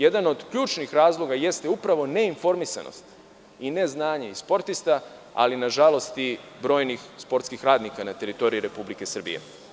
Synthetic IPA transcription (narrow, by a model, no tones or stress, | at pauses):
je̞d̪ano̞d̪kʎuːt͡ʃnixɾaːzlˠo̞ɡaje̞st̪eupɾaʋo̞ne̞info̞ɾmisa̰no̰st̪ | ine̞znaːɲe̞ispo̞ɾt̪ist̪a | a̰linaʒalo̞st̪ibɾo̞ːjnixspo̞ɾt̪skixɾaːd̪nikanat̪e̞ɾit̪o̞ɾiiɾe̞publike̞sr̩bḭjḛ